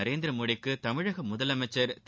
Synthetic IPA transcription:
ɐɾeːnd̪ɪɾɐmoːɽɪkːɯt̪ɐmɪɻɐɣɐmʊðɐlɐmɐt͡ʃːɐɾt̪

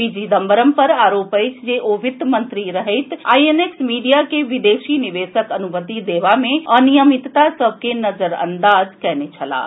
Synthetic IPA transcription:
bid͡ʒid̪ɐmbəɾəmpɐɾaːɾoːpəɪt͡ʃʰd͡ʒeʔoʋɪt̪mɐ̃nt̪ɾiɾɐɦeɪt̪ʰaːieneːksmiːɖijakeʋɪd̪eːʃinɪʋeːʃəkɐnʊmət̪id̪eːʋamẽɐnijəmɪt̪t̪ːasɐb̚ʱkenɐzəɾɐ̰̃nd̪aːzkɛɦnet͡ʃʰɐla̰ː

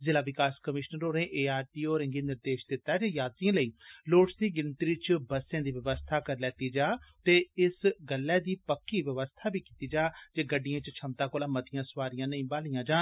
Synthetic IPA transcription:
zɪlaːʋɪkaːskəmɪʃnəɾoːɾẽːʔeːaːɾt̪iːoːɾɪ̃ŋɡiːnɪɾd̪eːʃd̪ɪt̪ːaːd͡ʒeːjaːd̪d̪iãːləiːloːʈsd̪iːɡɪnt̪ɾiːt͡ʃbəsẽːd̪iːʋəʋəst̪ʰaːkəɾlɛːt̪iːd͡ʒaːt̪eːɪsɡəlːɛːd̪iːpəkːiːʋəʋəst̪ʰaːbiːkiːt̪iːd͡ʒaːd͡ʒeːɡəɖːijãːt͡ʃt͡ʃʰəmt̪aːkoːlaːmət̪ɪjãːsʋaːɾɪjãːnəĩːbaːlijãːd͡ʒãːn

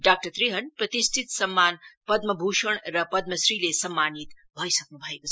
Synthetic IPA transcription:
ɖaːk̚ʈɐɾt̪ɾiɦɐnpɾɐt̪isʈ̪ʰit̪sɐmːaːnpɐd̪mɐbʱuːʃəɳ̃ɾɐpɐd̪̚mɐsɾiːlesɐmːaːnit̪bʱojsɐknubʱɐeko

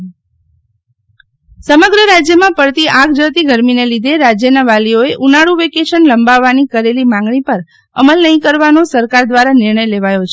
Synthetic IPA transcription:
səməɡɾəɾad͡ʒjəmãpəɽt̪iʔãɡd͡ʒət̪iɡʱəɾminelid̪ʱeɾad͡ʒjənaʋalioeʔunaɽuʋekeʃənləmbaʋːanikəɾelimãŋɡɳipəɾ | əməlnəɦĩkəɾʋanosəɾkaɾd̪ʋaɾanɪɾɳəjleʋajot͡ʃʰe

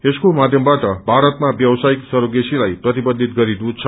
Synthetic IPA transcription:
eskomad̪ʱjʌmbaʈʌbʱaɾʌt̪mabjʌwsaiksʌɾoɡesilajprʌt̪ibʌd̪ʱːit̪̚ɡʌɾid̪ut͡sʰʌ

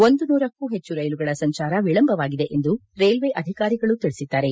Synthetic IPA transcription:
o̞nd̪unuːɾɐkːuɦe̞t͡ʃːuɾɐjluɡɐɭɐsɐɲt͡ʃaːɾɐʋiɭɐmbʱɐʋaːɡid̪e̞ʔend̪uɾeːlʋeʔɐd̪ʱikaːɾiɡɐɭut̪iɭisid̪ːaːɾe̞

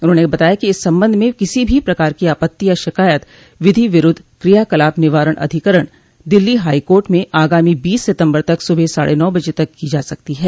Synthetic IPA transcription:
ʊnɦõːnebɐt̪aːjakiɪsːɐ̃mbə̃nd̪ʱmẽkɪsibʱipɾɐkaːɾkiaːpət̪ːiaʃɪkaːjət̪ | ʋɪd̪ʱiʋɪɾʊd̪ʱːkɾijaːkɐlaːpnɪʋaːɾəɽ̃ʔɐ̰d̪ʱɪkəɾəɽ̃ | d̪ɪlːiɦaːikoːɾʈmẽʔaːɡaːmibiːsːɪt̪ə̃mbəɾt̪ɐksʊbʱesa̰ːɽʔenɔːbɐd͡ʒet̪ɐkːid͡ʒaːsɐk̚t̪iɦɛː

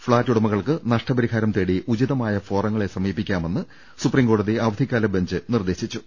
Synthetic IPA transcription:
fɭaːtːuɽɐmɐɣɐɭkɨnɐʂʈɐbɐɾiɦaːɾɐmt̪eːɽiʔud͡ʑiðɐmaːjɐfo̞ːrɐŋːɐɭe̞sɐmiːpːikʲːaːme̞nːɨ | suprimŋɡo̞ːɽɐðiaʋɐd̪ʱikʲːaːlɐbʱeɲd͡ʑɨnird̪e̞ːɕit͡ɕːu̥

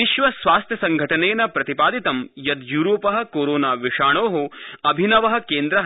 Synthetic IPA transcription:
iʃʋɐsʋaːst̪ʰjɐsɐŋɡʱɐʈɐneːnɐpɾɐt̪ipaːd̪it̪ɐmjɐd̪juːɾoːpɐɦɐ̆koːɾoːnaːʋiʂaːɳoːɦoɐbʱinɐʋɐɦɐ̆keːnd̪ɾɐɦ

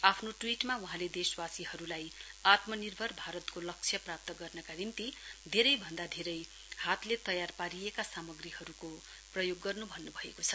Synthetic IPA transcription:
apʰnoʈwiʈmauɦãled̪eswasiɦʌɾulajat̪mʌnirbʱʌrbʱaɾʌt̪kolʌk̚t͡sʰjʌprap̚t̪ʌɡʌrnʌkanimt̪id̪ʱeɾʌjbʱʌnd̪ad̪ʱeɾʌj | hat̪let̪ʌjarpaɾijekasamʌɡriɦʌɾuko | prʌjoɡːʌrnubʱʌnːubʱʌekot͡sʰʌ̥

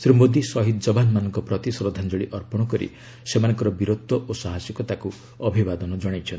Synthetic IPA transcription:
sɾimod̪isɔɦid̪ɔd͡ʒɔbanmanɔŋkɔpɾɔt̪isɾod̪ʱand͡ʒoɭiʔɔɾpɔɽ̃ɔkɔɾḭ | semanɔ̃ŋkɔɾɔbiɾot̪ːɔʔosaɦasjɔkɔt̪aku | ɔbʱibad̪ɔnɔd͡ʒɔɽ̃ajt͡ʃʰɔnt̪i̥

